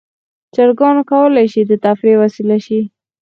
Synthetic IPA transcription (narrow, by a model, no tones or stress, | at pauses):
t͡ʃaɾɡɑnokawəlajʃid̪ət̪afɾewasilaʃi